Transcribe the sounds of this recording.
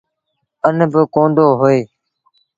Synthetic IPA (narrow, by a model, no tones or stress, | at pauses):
ənbɪkõːɳɖ̪ʱoːɦoːeː